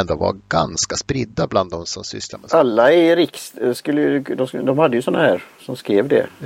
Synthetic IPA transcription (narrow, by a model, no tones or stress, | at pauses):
nd̪ova̰ɡanskaspɾɪd̪ːabland̪ːɔmsɔmsʏ̰slaɾmɛalːaɛɾɪksskɵlːəjd̪ɔd̪ɔmhad̪ːəjʉsɔnːahæːɾsɔmskɾeːvd̪ɛ̰